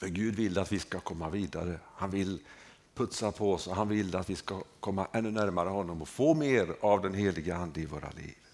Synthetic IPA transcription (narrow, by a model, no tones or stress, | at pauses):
fœɡʉ̟ːd̪vɪlːat̪vɪskakʰɔmːaviːd̪a̰ɾəhanvɪlː | pʰɵt̪sapʰɔɔsɔɦanvɪlːəat̪vɪskakʰɔmːaʔɛnːɵnæɾmaɾəhɔnːɔmɔfoːmeːɾavd̪ɛnheːlɪɡəand̪əɪvo̰ːɾa̰lḭːv